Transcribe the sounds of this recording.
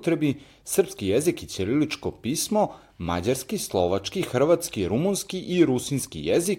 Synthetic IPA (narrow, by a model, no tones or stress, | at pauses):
t̪ɾebi | sr̩pskijezikit̪sililit͡ʃkopiːsmo | ma̰d͡ʑaɾskislˠo̞ʋat͡ʃkixr̩ʋat̪skiɾumunskiʔiɾusinskḭjezik